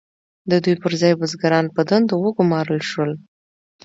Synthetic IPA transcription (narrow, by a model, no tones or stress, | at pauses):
d̪əd̪ujpəɾzɑjbʊzɡaɾɑnpəd̪and̪awəɡʊmɑɾəlʃwəl